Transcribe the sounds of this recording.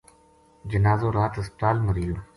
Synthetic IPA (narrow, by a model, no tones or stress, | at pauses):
d͡ʒɐnaːzoːɾaːt̪ɐspət̪aːlməɾijoː